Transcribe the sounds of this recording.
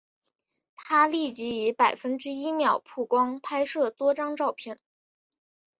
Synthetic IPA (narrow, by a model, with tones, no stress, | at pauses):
t̪ʰa˥li˥˩t͡ɕi˧˥i˧˥pa˨˩ɪfə˥nʈ͡ʂɻ̩˥i˥mjɑ˨˩ʊpʰu˥˩kwɑ˥ŋpʰa˥ɪʂɤ˥˩t̪wɔ˥ʈ͡ʂɑ˥ŋʈ͡ʂɑ˥˧ʊpʰjɛ˥˩n